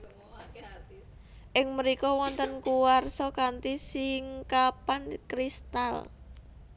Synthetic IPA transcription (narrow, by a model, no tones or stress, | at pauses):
ʔɪŋməɾikɔwɔnt̪ənkuwarsɔkant̪isiŋkapankɾist̪al